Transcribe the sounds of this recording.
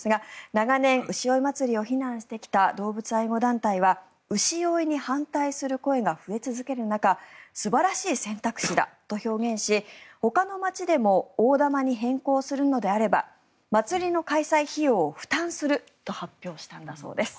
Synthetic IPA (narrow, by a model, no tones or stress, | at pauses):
sɨɡanaɡanẽ̞ɰ̃ʔɯ̟ɕio̞imat͡sɨɾʲio̞çinãɰ̃ɕi̥t̪e̞kʲi̥t̪ad̪o̞ːbɯ̟t͡sɨaiɡo̞d̪ãnt̪aiβa | ɯ̟ɕio̞iɲ̟ihãnt̪aisɨɾɯ̟ko̞e̞ɡaɸɯ̟e̞t͡sɨzɨke̞ɾɯ̟nakasɨbaɾaɕiːsẽ̞nt̪akɯ̥ɕid̪a̰t̪o̞ço̞ːɡẽ̞ɰ̃ɕiho̞kano̞mat͡ɕid̪e̞mo̞oːd̪amaɲ̟iɦẽ̞ŋko̞ːsɨɾɯ̟no̞d̪e̞aɾe̞ba̰ | mat͡sɨɾʲino̞kaisaiçijo̞ːɸɯ̟̥t̪ãɰ̃sɨɾɯ̟ | t̪o̞hapʲjo̞ːɕi̥t̪ãnd̪aso̞̰ːd̪e̞sɨ̥